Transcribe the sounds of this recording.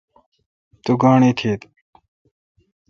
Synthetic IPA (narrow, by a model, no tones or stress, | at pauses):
t̪uɡaːɳeːt̪ʰeːt̪